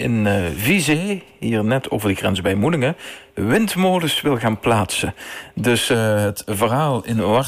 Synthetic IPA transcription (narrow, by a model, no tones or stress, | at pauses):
ɪ̰nvize | ɦiːɹnɛtʰo̰ːvəɹdəɣrɛnzbɛjmudɪŋəʋɪntmoːləsʋɪlˠɣaːnplaːtsədɵsɦətvərɦaːlˠɪno